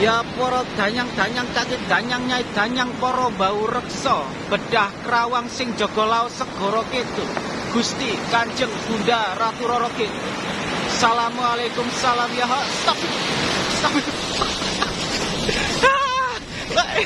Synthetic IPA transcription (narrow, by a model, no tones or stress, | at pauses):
japɔɾɔd̪̥a̤ɲaŋd̪̥a̤ɲaŋkakid̪̥a̤ɲaŋɲaid̪̥a̤ɲaŋpɔɾɔmbaurəksɔ | b̥əɖ̥ahkəɾawaŋsɪŋd͡ʒo̤ɡ̥ɔ̤laosəɡ̥ɔ̤ɾɔket̪u | ɡ̥ṳst̪ikaɲd͡ʒəŋɡ̥undarat̪uɾɔɾɔket̪u | salamualekʊmsalamjaɦast̪afist̪af | a | a